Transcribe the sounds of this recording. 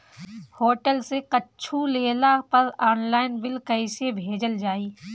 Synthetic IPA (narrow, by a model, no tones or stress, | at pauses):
hoːʈəlsekətːt͡ʃʰuleːlapɐɾaːnlaːɪnbɪlkəɪsebʱeːd͡ʒəld͡ʒaːiː